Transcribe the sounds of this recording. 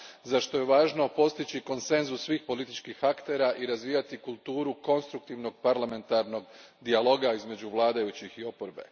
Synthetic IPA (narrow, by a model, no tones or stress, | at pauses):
zaʃt̪o̞je̞ʋaːʒno̞po̞st̪it͡ɕiko̞nse̞nzusːʋiːxpo̞lit̪it͡ʃkixakt̪e̞ɾaʔiɾazʋiːjat̪ikulˠt̪uːɾuko̞nst̪ɾuk̚t̪iʋno̞ɡ̚paɾlame̞nt̪aɾno̞ɡ | d̪ialˠo̞ɡaizme̞d͡ʑuʋlˠaːd̪ajut͡ɕixio̞poɾbe̞̰